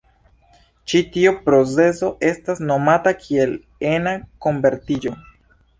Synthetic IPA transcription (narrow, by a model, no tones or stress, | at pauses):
t͡ʃitiupɾo̞t͡se̞so̞ʔe̞stasno̞matakʰie̞l | e̞nako̞mbe̞ɾtid͡ʒo̞